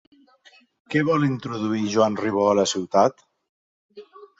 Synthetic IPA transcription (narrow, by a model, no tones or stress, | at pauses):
kɛβɔlint̪ɾuðuiʒwanriβ̞oələsiwt̪at̪